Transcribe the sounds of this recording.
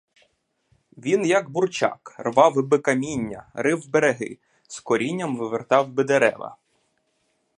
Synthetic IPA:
ʋʲinjɐɡburt͡ʃɑ̰krʋɑwɪbɪkɐmʲinʲːɐɾɪwbeɾeɦɪ̰ | skɔɾʲinʲːɐmʋɪʋert̪ɑwbɪd̪eɾɛ̰ʋɐ̰

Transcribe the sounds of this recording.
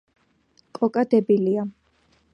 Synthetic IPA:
kʼɔkʼad̪ɛbilia

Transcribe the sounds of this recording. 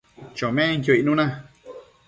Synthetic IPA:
t͡ʃomẽŋk̬ʲjoinũnã

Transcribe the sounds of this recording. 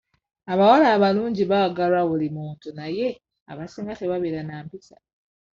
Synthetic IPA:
aβawalaːβaluːɲɟiβaɡalwaβulimuːntunaje̞ | a̰βasiːŋɡate̞βaβiɾanaːmpisa̰

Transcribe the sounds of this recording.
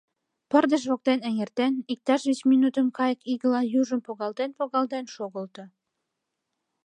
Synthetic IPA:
pə̆rd̪ə̆ʃ̬βok̚t̪enæŋert̪ænik̚t̪ɑʃβet͡ɕminut̪ə̆mkɑjə̆kiɣə̆lɑjuʒə̆mpoɣɑld̪enpoɣɑld̪enʃoɣə̆lt̪ɤ̆

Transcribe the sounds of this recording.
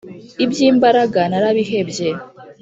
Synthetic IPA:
ibjiːmbaɾaɡanaɾaβiɦebje

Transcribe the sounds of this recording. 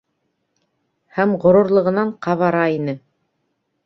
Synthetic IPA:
hæmʁŏɾŭɾlˠɤ̆ʁɤ̆nɑɴqɑβɑɾɑinɘ

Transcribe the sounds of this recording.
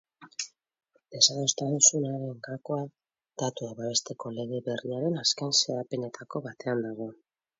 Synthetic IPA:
e̞saðost̪ansunaɾeŋɡako̞a | d̪̥at̪ueβaβe̞st̪e̞ko̞le̞ɣe̞βe̞riaɾe̞naskajnseðape̞ne̞t̪ʰako̞βat̪e̞and̪aɣo̞

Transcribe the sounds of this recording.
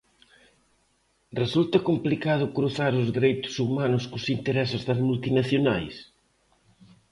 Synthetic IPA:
result̪ɐkomplikaðʊkɾuθaɾʊzðiɾejt̪ʊ̥sumanʊskʊsint̪eɾɛsɪzðɐzmult̪inaθjonajs

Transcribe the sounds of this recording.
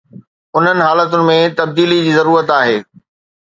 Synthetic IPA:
ʊn̤ənɪ̆ɦaːlət̪ʊnɪ̆mẽt̪ɐb̚d̪iːlid͡ʑiːzɐɾuːɾət̪aːɦeː

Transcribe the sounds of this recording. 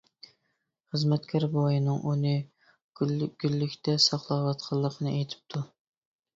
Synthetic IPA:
χəzmɛt̪kʲʰɑɾbojinɨŋʔunɨ | ɡ̥ʲylːykʲt̪ʰɛsɑχlˠɑwɑt̪qʰɑlˠːəqʰənɨʔejt̪ʰɪ̥p̚t̪ʰu

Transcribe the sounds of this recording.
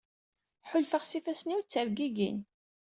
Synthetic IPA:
ħʊlfəχsifæsniwt͡sːəɾɡiɡḭn

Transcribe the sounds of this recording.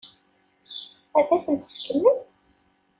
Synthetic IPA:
æθæθənt̪skːəmːən

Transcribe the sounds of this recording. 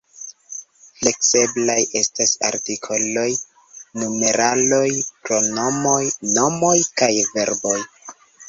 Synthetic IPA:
fle̞kse̞blaje̞stasa̰ɾtikʰo̞lo̞j | nume̞ɾʔalo̞jpɾo̞no̞mo̞jno̞mo̞jkajve̞ɾbo̞j

